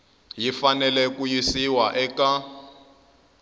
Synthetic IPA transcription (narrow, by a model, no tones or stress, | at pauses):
jifanɛlɛkujisiwaʔɛka